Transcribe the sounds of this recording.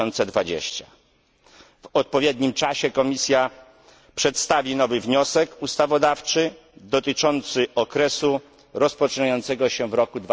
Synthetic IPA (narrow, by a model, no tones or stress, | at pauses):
ɔnt̪sɛd̪vad͡ʑḛɕt͡ɕa | vɔt̪̚pɔvʲjɛd̪ɲimt͡ʂaɕɛkɔmʲisʲja | pʂɛt̪st̪avʲinɔvɘvɲɔsɛkust̪avɔd̪aft͡ʂɘ | d̪ɔt̪ɘt͡ʂɔnt̪sɘʔɔkɾɛsu | ɾɔspɔt͡ʂɨɲajɔnt̪sɛɡɔɕɛvɾɔkud̪v